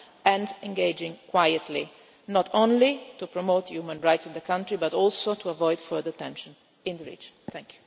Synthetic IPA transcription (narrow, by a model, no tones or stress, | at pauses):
ɛ̃ndɛ̃ŋɡeɪd͡ʒɪ̃ŋkwajət̪li | nɔt̪ʰõnlit̪upɾɔmoːt̪ʰjumə̃nɹajtsɪ̃nd̪əkãntɾibat̪ɔlsot̪uavɔjd̪fɜ˞d̪ət̪ɛ̃nʃə̃n | ɪ̃nd̪əɹḭːd͡ʒɔ̃nt̪ɛ̃ŋkʰju̥